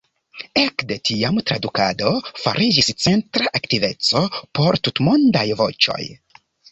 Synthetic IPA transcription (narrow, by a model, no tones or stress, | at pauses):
ekde̞tʰiamtɾadukado̞fa̰ɾʔid͡ʒist͡se̞ntɾaʔaktive̞t͡so̞po̞ɾtutmondajvo̞̰t͡ʃo̞̰j